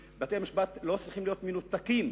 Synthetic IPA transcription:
beat̪ejamiʃbat̪lo̞t͡sʁiχimlijo̞t̪menut̪akim

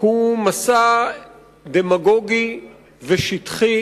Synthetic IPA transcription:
humasa | d̪emaɡoɡi | veʃit̪χi

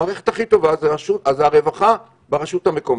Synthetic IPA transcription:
aːʁeχethaχit̪o̞vazeaʃutazeaʁe̞vaχa | beʁaʃut̪hame̞ko̞m

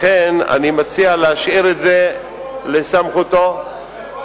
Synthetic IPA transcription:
ena̰nimat͡sialeaʃʔiʁetze̞ | lesamχut̪o̞

